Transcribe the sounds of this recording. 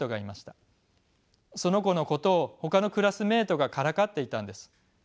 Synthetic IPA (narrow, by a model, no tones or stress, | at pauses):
o̞ɡaimaɕi̥t̪ḁ | so̞no̞ko̞no̞ko̞t̪o̞ːho̞kano̞kɯ̟ɾasɨme̞ːt̪o̞ɡakaɾakat̪ːe̞it̪ãnd̪e̞sɨ̥